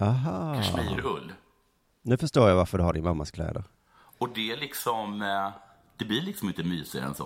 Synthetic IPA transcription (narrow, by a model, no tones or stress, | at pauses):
aɦɑiɾɵlː | nʉ̟ːfœʂʈoːɾjavaɾfəɖɵhaɖɪnmamːaskʰlɛ̰ːd̪əɾ | ɔd̪ɛælɪksɔm | d̪̥ɛblɪɾɭɪksɔmɪnt̪əmyːsɪɛ̰nsɔ̰